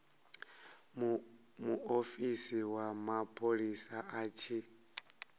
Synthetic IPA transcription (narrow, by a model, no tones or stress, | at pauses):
muofisiwamapʰʼoɺisaat͡ʃʰi